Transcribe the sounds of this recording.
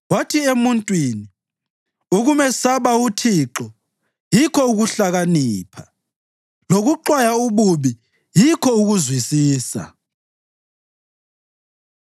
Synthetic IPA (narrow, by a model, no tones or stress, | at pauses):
watʰiemuntʼwini | uɣumɛsaβautʰiǁɔ | jikʰɔuɣuɬaɣaniːpʰa | loɣuǃwajauβuβi | jikʰɔuɣuzwisiːsa̰